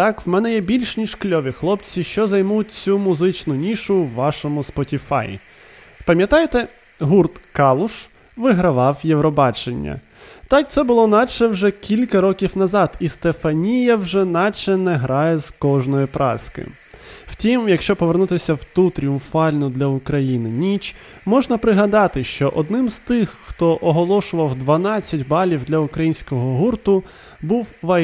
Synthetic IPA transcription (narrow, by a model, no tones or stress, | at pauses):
t̪ɑkwmɛnɛjɛbʲilʲʃnʲiʃklʲɔʋʲixlˠɔp̚t͡sʲiʃt͡ʃɔzɐjmut̚ʲt͡sʲumʊzɪt͡ʃnʊnʲiʃʊwːɑʃɔmʊspɔtʲifɑ̰jḭ | pɐmʲjɐt̪ɑjt̪ɛ | ɦurt̪kɑlˠʊʃ | ʋɪɦɾɐʋɑwjewɾɔbɑt͡ʃenʲːɐ̰ | t̪ɑk̚t̪sɛbʊlˠɔnɑt͡ʃɛwʒɛkʲilʲkɐɾɔkʲiwnɐzɑd̪ist̪efɐnʲijɐwʒɛnɑt͡ʃɛnɛɦɾɑjɛz̥kɔʒnɔjipɾʔɑ̰skɪ̰ | w̥tʲimjɐkʃt͡ʃɔpɔʋenut̪ɪsʲɐwt̪ut̪ɾʲijʊmfɑlʲnʊd̪lʲɐʊkɾɐjinɪnʲit͡ʃ | mɔʒnɐpɾɪɦɐd̪ɑt̪ɪʃt͡ʃɔʔɔd̪nɪmz̥t̪ɪxːt̪ɔʔɔɦɔlˠɔʃʊʋɐwd̪ʋɐnɑt͡sʲːɐtʲbɑlʲiwd̪lʲɐʊkɾɐjinʲsʲkɔɦɔɦurt̪ʊ | buwʋɐ